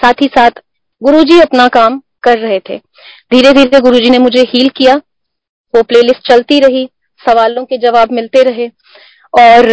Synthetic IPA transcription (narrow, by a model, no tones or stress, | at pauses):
saːt̪ʰisaːt̪ʰ | ɡʊɾud͡ʒiɐpnakaːm | kɐɾːɐɦet̪ʰḛː | d̪ʱiːɾed̪ʱiːeɡʊɾuːd͡ʒinemʊd͡ʒʱehiːlkija | ʋopleːlɪsʈ̚t͡ʃɐlt̪iɾɐɦi | sɐʋaːlõked͡ʒɐʋaːbmɪlt̪eɾɐɦe | ɔːɾ